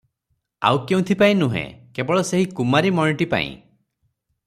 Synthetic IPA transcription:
a̰wkeũt̪ʰipaĩnũɦḛ̃kebɔɭɔseɦikumaɾimɔniʈipa̰ḭ̃

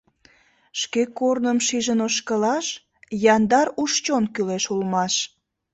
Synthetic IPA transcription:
ʃkekːornəmʃiʒənoʃkəlɑʃ | jɑnd̪ɑɾuʃt͡ɕonkyleʃulmɑʃ

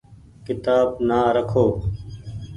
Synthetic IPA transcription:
kɪt̪aːbnaːɾəkʰoː

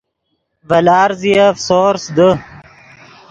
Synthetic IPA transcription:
vɐlaːɾziɐfsoːɾsd̪ə

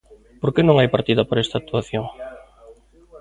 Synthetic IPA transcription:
poɾkenõŋajpaɾt̪iðɐpoɾɛst̪ak̚t̪uaθjoŋ

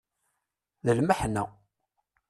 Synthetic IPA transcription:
ðəlməħnæ̰

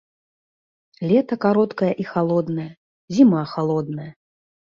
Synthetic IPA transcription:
lʲɛt̪ɐkaɾɔt̪kɐjɐʔixalˠɔd̪nɐjɐ | zʲimaxalˠɔd̪nɐjɐ

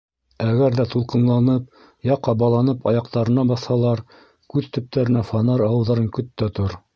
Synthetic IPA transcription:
æɡæɾðæt̪ulˠqɤ̆nlˠɑnɤp̚ | jɑqɑbɑlˠɑnɤpɑjɑqt̪ɑɾɤ̆nɑbɑθhɑlˠɑɾ | kʉðt̪ɵ̆p̚t̪æɾɘ̆næfɑnɑɾɑwɤ̆wðɑɾɤŋkɵ̆t̪ːæt̪oɾ

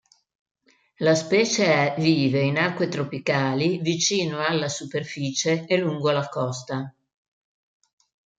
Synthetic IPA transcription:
laspɛːt͡ʃeɛviːveinarkwet̪ɾopikaːlivit͡ʃiːnoalːasuperfiːt͡ʃeeluŋɡolakɔst̪a

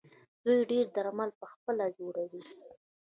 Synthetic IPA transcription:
d̪ujɖeɾd̪aɾmalpəxpəlad͡ʒoɽawi

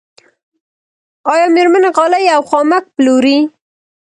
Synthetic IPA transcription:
ɑjɑmeɾmanaɣɑlajawxɑmak̚ploɾi

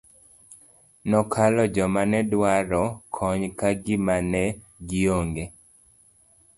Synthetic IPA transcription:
nɔkʰalɔd͡ʒɔmanɛdwaɾɔkʰɔɲkaɡɪmanɛ | ɡɪoŋɡe

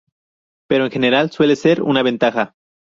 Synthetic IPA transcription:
pe̞ɾo̞eŋxe̞ne̞ɾalswe̞le̞se̞ɾṵnaβe̞nt̪axa

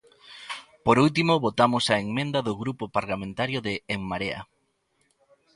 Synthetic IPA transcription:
poɾult̪imoβot̪amosaeŋmẽnd̪aðʊɣɾupopaɾlamẽnt̪aɾjoðeːŋmaɾea̰

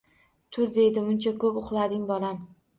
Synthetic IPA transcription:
t̪ʰʊɾd̪e̞jd̪ɪmʊnt͡ʃʰakʰɵpʊχlˠad̪ɪŋbɒlam

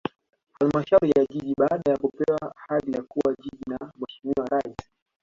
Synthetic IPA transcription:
halmaʃauɾijaʄiʄiɓaaɗajakupɛwahaðijakuwaʄiʄinamwɛʃimiwaɾaisi̥

